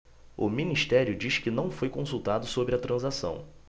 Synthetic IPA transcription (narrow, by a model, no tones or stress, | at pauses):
ʊ̰miniʃt̪ɛɾjʊd͡ʒiʃkɪnɐ̃w̃fojkõsuwt̪ad̪ʊsobɾɪɐt̪ɾʔɐ̃zasɐ̰̃w̃